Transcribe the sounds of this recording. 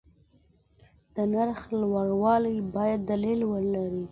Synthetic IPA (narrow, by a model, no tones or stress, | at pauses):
d̪̥ənaɾxlwaɽwɑlajbɑjad̪ːalilwəɾlaɾi